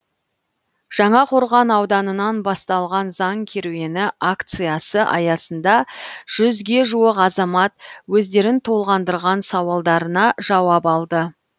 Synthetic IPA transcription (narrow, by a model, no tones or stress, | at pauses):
ʒ̥ɑɴɑqʰo̞ɾʁɑnɑwd̪ɑnənɑnbɑst̪ɑlˠʁɑnzɑŋkʲʰeɾuwe̞nɪʔakt̪sɨjɑsəʔɑjɑsənd̪ɑʒ̥ʏzɡʲe̞ʒuwəqɑzɑmɑt̪̚wɵzd̪e̞ɾɪnt̪ʰo̞lˠʁɑnd̪əɾʁɑnsɑwɑlˠd̪ɑɾənɑʒɑwɑpɑlˠd̪ə